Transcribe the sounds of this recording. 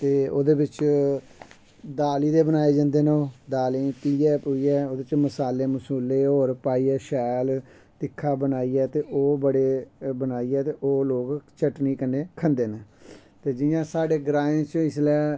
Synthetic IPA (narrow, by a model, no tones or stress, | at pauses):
t̪eːo̰ːd̪eːbɪt͡ʃ | d̪aːliːd̪eːbənaːeːd͡ʒãːnd̪eːneoːd̪aːlĩːp̪iːjɛːpoiːɛːoːd̪et͡ʃməsaːlːeːməsuːlːeːɦoːɾpaːiːɛːʃɛːl | t̪ɪkʰːaːbənaːiːɛːt̪eːʔoːbəɽeːbənaːiːɛːt̪eːʔoːloːɡt͡ʃəʈniːkənːeːkʰənd̪eːneː | t̪eːd͡ʒɪjãːsaːɖeːɡɾaːẽːt͡ʃɪslɛː